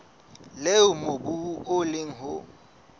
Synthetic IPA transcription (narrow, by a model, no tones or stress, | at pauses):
leʊmobuʊlɪŋ̩ɦʊ